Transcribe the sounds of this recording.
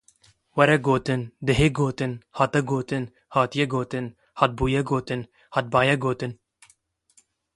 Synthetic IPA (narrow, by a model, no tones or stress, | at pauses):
wɛɾɛɡoːt̪ɨnd̪ɨɦeːɡoːt̪ɨnhɑːt̪ɛɡoːt̪ɨn | haːt̪ijɛɡoːt̪ɨn | hɑːt̪̚buːjɛɡoːt̪ɨn | hat̪̚bɑːjɛɡoːt̪ɨn